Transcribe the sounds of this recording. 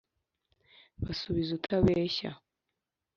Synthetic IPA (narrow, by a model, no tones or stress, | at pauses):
βasuβizutʰaβeːɕa̰